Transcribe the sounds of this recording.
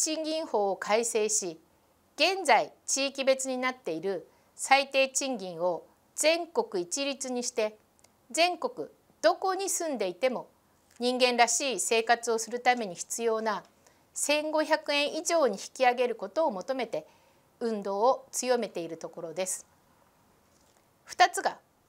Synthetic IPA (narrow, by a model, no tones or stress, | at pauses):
t͡ɕĩŋɡʲĩɰ̃ho̞ːokaise̞ːɕi | ɡ̥ẽ̞nd͡zait͡ɕiːkʲibe̞t͡sɨɲ̟inat̪ːe̞iɾɯ̟ | sait̪e̞ːt͡ɕĩŋɡʲĩɰ̃o̞ | d͡zẽ̞ŋko̞kɯ̟it͡ɕiɾʲit͡sɨɲ̟iɕi̥t̪e̞ | zẽ̞ŋko̞kɯ̟ | d̪̥o̞ko̞ɲ̟isɨ̃nd̪e̞it̪e̞mo̞ | ɲ̟ĩŋɡẽ̞nɾaɕiːse̞ːkat͡sɨo̞sɨɾɯ̟t̪ame̞ɲ̟içi̥t͡sɨjo̞ːna | sẽ̞ŋɡo̞çakɯ̟ẽ̞ɰ̃ʔiʑo̞ːɲ̟içi̥kʲiaɡe̞ɾɯ̟ko̞t̪o̞ːmo̞t̪o̞me̞t̪e̞ | ɯ̟̃nd̪o̞ːt͡sɨjo̞me̞t̪e̞iɾɯ̟t̪o̞ko̞ɾo̞d̪e̞sɨ̥ | ɸɯ̥t̪at͡sɨɡa